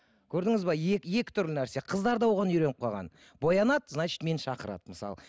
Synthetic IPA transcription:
kʲʰɵɾd̪ɪŋɪzbɑjekʲje̞kʲɪ̥t̪ʰʏɾlɪnæɾseqʰəzd̪ɑɾd̪ɑwoʁɑnʏɾe̞nəp̚qʰɑʁɑ̰n | bo̞jɑnɑt̪znɑt͡ʃi̥t̪me̞nʃɑqəɾɑ̰d̪̥əməsɑ̰lˠ

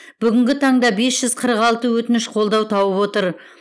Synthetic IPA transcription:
b̥ʏɡʲɪŋɡʲɪt̪ʰɑɴd̪ɑbe̞sʒ̥ʏz̥qʰəɾəqɑlˠt̪əwɵt̪ɪnɪʃqʰo̞lˠd̪ɑwt̪ʰɑwəpwo̞t̪əɾ

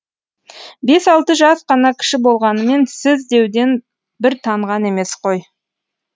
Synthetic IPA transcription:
be̞sɑlˠt̪əʒɑsqɑnɑkʲʰɪ̥ʃɪbo̞lˠʁɑnəme̞nsɪzd̪e̞wd̪e̞n | bɪɾt̪ʰɑɴʁɑne̞me̞sqʰo̞j

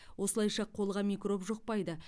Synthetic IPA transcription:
wʔo̞səlˠɑjʃɑqʰo̞lˠʁɑmikro̞pʒoq̚pɑjd̪ə

